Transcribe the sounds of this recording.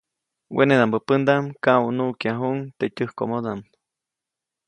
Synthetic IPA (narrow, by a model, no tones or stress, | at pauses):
wʔḛneðambəpənd̪aʔmkawnuʔkjaɦuʔŋt̪etəhkomod̪aʔm